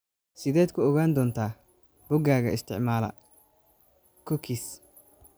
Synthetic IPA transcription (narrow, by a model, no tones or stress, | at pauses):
sɪd̪eːt̪kʊɔɣaːnd̪ɔːnt̪aː | bʊɡaːɣɐɪst̪ɪ̰ʕmaːlɐ̰ | kɔkis